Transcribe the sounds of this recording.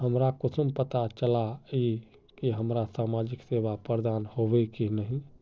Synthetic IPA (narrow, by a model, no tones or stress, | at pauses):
ɦəmɾakʊt͡ʃʰumpət̪at͡ʃəlai | kiɦəmɾasamad͡ʒiksebapɾəɾd̪anhobɛkinəɦĩ